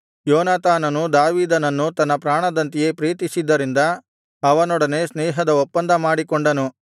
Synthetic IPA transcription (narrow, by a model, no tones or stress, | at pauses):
jɔːnaːt̪aːnɐnud̪aːʋiːd̪ɐnɐnːut̪ɐnːɐpɾaːɳɐd̪ɐnt̪ije̞tpɾiːt̪isid̪ːɐɾind̪ɐ | ɐʋɐnɔɽɐne̞snɛːɦɐd̪ɐopːɐnd̪ɐmaːɽikoɳɖɐnu